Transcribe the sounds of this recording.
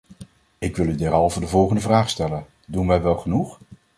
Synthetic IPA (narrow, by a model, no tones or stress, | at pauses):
ɪkʋɪlˠydɛrɑlˠvədəvɔlˠχəndəvraːχstɛlən | dunʋɛjʋɛlˠχənuχ